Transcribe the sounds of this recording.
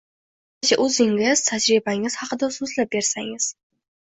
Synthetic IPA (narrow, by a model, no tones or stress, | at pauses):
t͡ʃʰaʔɵzɪŋɡʲɪz̥t̪ʰad͡ʒɾibaŋɪz̥hɑqɨd̪azɵzlap̚be̞ɾsaŋɪz̥